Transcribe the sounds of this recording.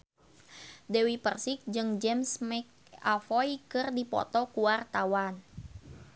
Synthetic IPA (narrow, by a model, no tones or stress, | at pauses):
dɛwipərsɪk̚d͡ʒɨŋd͡ʒɛmsmɛk̚ | afɔjkɨrdipɔ̰t̪ɔkuart̪awan